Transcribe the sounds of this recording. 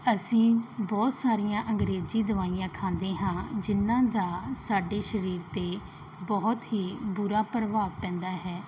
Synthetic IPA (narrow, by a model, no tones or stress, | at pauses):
əsĩːbɔːt̪saːɾijãːʔəŋɡɾeːziːd̪əʋaːijãːkʰãːnd̪eːɦãːd͡ʒɪnːãːd̪aːsaːɖeːʃəɾiːɾt̪eː | bɔːt̪ɦiːbʊɾaːpɾəʋaːʋpɛ̃ːnd̪aːɦɛː